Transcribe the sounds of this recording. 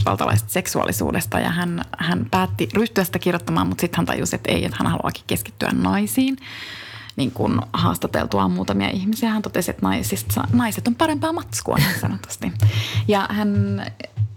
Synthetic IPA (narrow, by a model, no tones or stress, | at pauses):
pɑ̰lt̪ɑlɑ̰ise̥t̪seksuɑ̰lːisṵːdest̪ɑjɑ̰hænhænpæːt̪ːiryht̪yæsit̪ækirjot̪ːɑmɑ̰ːmmut̪sit̪hænt̪ɑ̰jusiet̪ḛijet̪hænhɑluɑ̰ːki̥keski̥t̪ːyæ̰nnɑisiːn | niːŋkunhɑ̰ːst̪ɑt̪ḛlt̪uɑmuːt̪ɑmiɑ̰ʔihmisiæhænt̪ot̪esiḛt̪nɑisist̪ɑ̰nɑiset̪ompɑɾempɑːmɑt̪skuɑ̰ninsɑ̰not̪u̥st̪ijɑhæn